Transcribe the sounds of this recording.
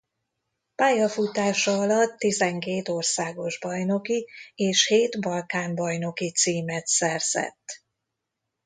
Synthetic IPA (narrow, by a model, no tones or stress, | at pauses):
paːjɒfut̪aːʃɒɒlɒt̪ːizɛŋkeːt̪o̞rsaːɡo̞ʒbɒjno̞kieːʃheːt̪bɒlkaːmbɒjno̞kit̪siːmɛt̪sɛrz̥ɛ̰t̪ː